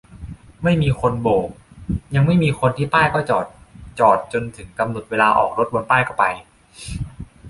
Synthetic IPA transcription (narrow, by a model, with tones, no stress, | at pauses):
ma˥˩jmiː˧ko˧nboː˨˩k̚ja˧ŋma˥˩jmiː˧xʰo˧nt̪ʰiː˥˩paː˥˩jkɔː˥˩t͡ɕɔː˨˩t̪̚t͡ɕɔː˨˩t̪̚t͡ɕo˧nt̪ʰɯ˩˦ŋka˧mno˨˩t̪̚weː˧laː˧ʔɔ̰ː˨˩k̚ɾo˦˥t̪̚bo˧npaː˥˩jkʰɔː˥˩pa˧j